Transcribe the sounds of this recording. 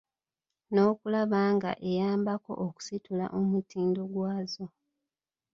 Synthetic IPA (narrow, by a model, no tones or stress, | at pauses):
no̞ːkulaβaːŋɡa̰ʔe̞jaːmbako̞̰ʔoku̥situla̰ʔomutiːndo̞ɡwaːzo̞